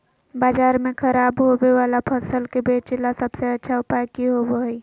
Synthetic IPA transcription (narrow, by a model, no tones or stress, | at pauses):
baːd͡ʒaːɾmẽkʰəɾaːbɦobewaːlapʰəsəlkebeːt͡ʃlasəbseətːʃʰaʊpakiɦoboi